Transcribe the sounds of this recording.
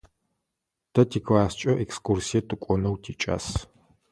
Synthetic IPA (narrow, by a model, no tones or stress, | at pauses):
tʰɐtʰiːkʰlaːst͡ʃʼɐʔekskʰʼursijɐtʰɨkʷʼɔnɐwtʰiːt͡ʃʼa̰ːs